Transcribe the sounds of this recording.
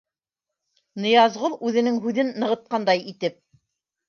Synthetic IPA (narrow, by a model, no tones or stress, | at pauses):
nɤ̆jɑzʁulˠʉðɘ̆nɘŋɦʉðɘnːɤ̆ʁɤ̆t̪̚qɑnd̪ɑjit̪ɘp̚